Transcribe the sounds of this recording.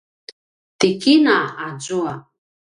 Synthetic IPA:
t̪ikinaazua

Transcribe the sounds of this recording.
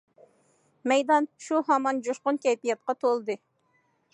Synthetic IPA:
mɛjd̪ɑnʃuɦɑmɑnd͡ʒoʃqʊnkʲʰɛjpijɛt̪̚qɑt̪ʰolˠɨd̪ɨ

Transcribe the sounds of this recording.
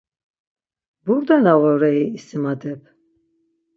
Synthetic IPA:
buɾd̪ɛnaʁɔɾɛiːsimad̪ɛpʰ

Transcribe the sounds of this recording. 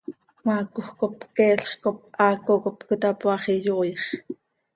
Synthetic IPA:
mɑːkuxkop̚kɛːɬχkop̚ʔɑːkokopkot̪ɑpwɑχijoːjɑχ

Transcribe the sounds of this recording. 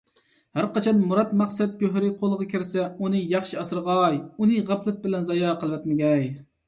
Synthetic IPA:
hæɾqɑt͡ʃʰɑnmuɾɑt̪mɑχsɛt̪̚kʲøɦɾɪqʰolˠəʁɑkʲʰiɾsɛunɨjɑχʃiɑsɨɾʁɑjunɨʁæpʰlˠɪt̪̚bɪlɛnzɑjɑːqəlˠwɛt̪mɪɡʲɛj

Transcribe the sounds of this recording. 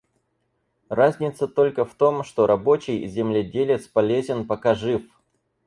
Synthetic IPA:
razʲnʲɪt̪sət̪o̞lʲkəft̪o̞mʂt̪o̞ɾʔɐbo̞t͡ɕɪjzʲɪmlʲɪdʲelʲɪt̪spɐlʲezʲɪnpɐkaʐɨf

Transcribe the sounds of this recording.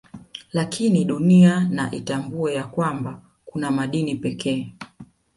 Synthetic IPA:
lakʰiniɗuniana̰ʔitambuɛjakwamba | kunamaɗinipɛkɛː

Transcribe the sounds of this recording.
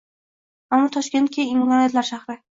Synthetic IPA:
amːɒt̪ʰɒʃkʲe̞nt̪̚kʲʰaɪmklɑnijat̪laɾʃaχɾɪ

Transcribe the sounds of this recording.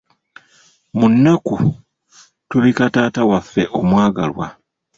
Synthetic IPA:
munːaku | tuβikataːtawafːe̞ʔo̞mwaːɡa̰lwa̰

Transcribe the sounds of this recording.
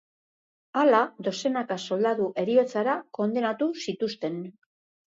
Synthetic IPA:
alaðo̞se̞nakaso̞ld̪aðuʔe̞ɾio̞t͡saɾako̞nd̪e̞nat̪usit̪ust̪e̞n

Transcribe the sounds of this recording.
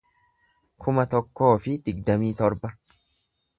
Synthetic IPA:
kʰʊmɐt̪ɔkːo̞ːfɪd̪̥ɪɡ̚d̪ɐmiːt̪ɔɾbɐ

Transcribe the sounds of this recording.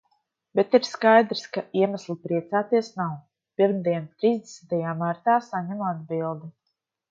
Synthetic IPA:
bet̪iɾskajd̪ɾskaiɛmaslˠipɾiɛt̪saːt̪iɛsnaw | piɾmd̪iɛnt̪ɾiːzd̪esnit̪ajaːmaɾt̪aːsaɲɛmad̪̚bilˠd̪u

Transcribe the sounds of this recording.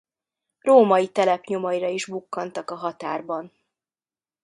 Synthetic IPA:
roːmɒjit̪ɛlɛpɲomɒiɾɒiʒbukːɒnt̪ɒkɒɦɒt̪aːrbɒn

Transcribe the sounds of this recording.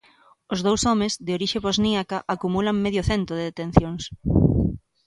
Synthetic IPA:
ozð̞owsɔmezðɪoɾiʃeβozniakaʔakumulaŋmeðjʊθent̪ɾoðeðet̪ẽn̟θjoŋs

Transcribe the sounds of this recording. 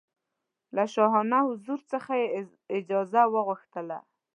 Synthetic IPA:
laʃɑɦɑnahʊzuɾt͡səxaje | ɪd͡ʒɑzawəɣuxt̪əla̰

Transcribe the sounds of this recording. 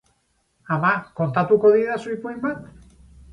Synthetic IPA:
amakont̪at̪ukoðiðasujpujmat̪

